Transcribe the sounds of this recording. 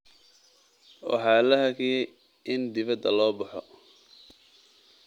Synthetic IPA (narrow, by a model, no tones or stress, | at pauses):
wʔɑ̰ħɑːlɐɦɐkʰɪjɛj | ʔɪnd̪ɪβɐd̪ɐlɔːbɐħɔ